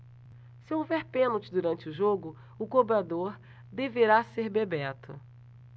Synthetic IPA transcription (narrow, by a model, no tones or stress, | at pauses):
sɪowvɛɾpẽnot͡ʃɪd̪uɾɐ̃nt͡ʃɪʊʒoɡʊ | ʊkobɾad̪oɾ | d̪eveɾaseɾbebɛt̪ʰʊ̰